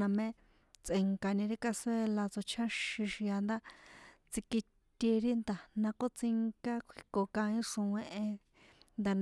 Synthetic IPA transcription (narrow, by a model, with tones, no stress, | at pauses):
ã˧mẽ˦ | t͡sʔe˨˧ŋka˧nĩ˧ɾi˦ka˧se˦la˧t͡so˧t͡ʃʰã˦ʃĩ˧ʃi˧a˧nd̪a˦t͡si˧ki˧ | t̪ʲi˧ɾi˦nd̪a˨nã˧ko˦t͡si˧ŋka˦kʷʰi˧ko˨kã˧ĩ˦ʂõ˧wẽ˦˧ʔẽ˧ | nd̪a˧˨n